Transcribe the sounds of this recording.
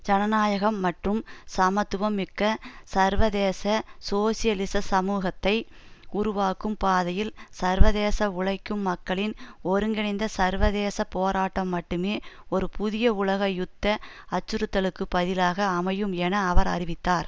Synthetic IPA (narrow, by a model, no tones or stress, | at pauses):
d͡ʒɐnɐnaːjɐɣɐmːɐʈrɯmsɐmɐt̪ːɯʋɐmːɪkːɐsɐɾʋɐðeːsɐsoːsɪjɐlɪsɐsɐmuːɣɐt̪ːɐɪ | ʊɾʊʋaːkːɯmpaːðɐjɪlsɐɾʋɐðeːsɐʊɭɐɪkːɯmːɐkːɐɭɪnɔɾɯŋɡɪɳɪnd̪ɐsɐɾʋɐðeːsɐpoːɾaːʈːɐmːɐʈːɯmeːɔɾɯpʰʊðɪjɐʊɭɐɣɐjʊt̪ːɐ | ɐt͡ʃːɯɾɯt̪ːɐɭɯkːɯpɐðɪlaːɣɐːmɐjɯmɛnɐːʋɐɾɐ̰ɾɪʋɪt̪ːaːɾ